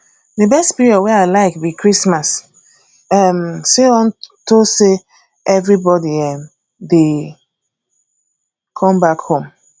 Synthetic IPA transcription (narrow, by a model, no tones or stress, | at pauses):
debɛstpiɹiɔdwɛaɪlaɪkbikɹismas | ɛmseɔ̃ntose | ɛvɹibɔdiɛm | de | kʰɔ̃mbakhõm